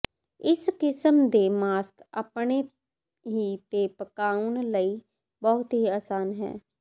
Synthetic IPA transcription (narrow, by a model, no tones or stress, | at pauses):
ɪskɪsəmd̪emaːskə̰pne | ɦit̪epəkaːʊnləi | bəɦʊt̪ɦiaːsaːnɦɛ̰ː